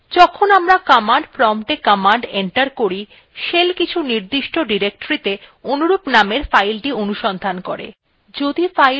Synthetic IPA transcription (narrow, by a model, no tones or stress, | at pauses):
d͡ʑɔkʰonamɾakamaɳɖfɾɔmʈekɔmaɳɖeɳʈaɾkoɾi | ʃelkit͡ɕʰuniɾd̪iʃʈoɖiɾek̚ʈoɾit̪eonuɾupnameɾfajlʈionuʃɔnd̪ʱankɔ̰ɾḛ | d͡ʑod̪ifa